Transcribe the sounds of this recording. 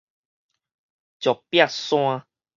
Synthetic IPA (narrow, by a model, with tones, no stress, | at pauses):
t͡ʃɔ˨pja˦˨sw̃ã˧